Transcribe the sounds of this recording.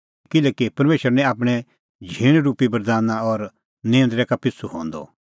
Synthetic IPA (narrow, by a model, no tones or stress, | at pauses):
kɪlɛːkipɐɾmeːʃəɾnɛ̃aːp̬ɽ̃ɛ | d͡ʒʱiːɽ̃ɾuːpibɐɾd̪aːnaɔɾ | nẽːə̃nd̪ɾɛkapɪsuɦõ̰ːnd̪ɔ̰